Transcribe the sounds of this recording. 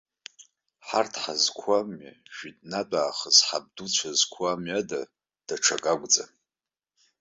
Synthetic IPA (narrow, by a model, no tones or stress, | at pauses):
ħartʰħazkʷʰamaʒᶣitʼnatʼaːχəzħab̚dut͡ɕʷʰazkʷʰamada | d̥aʈ͡ʂʰakʼaɡʷd͡zʼa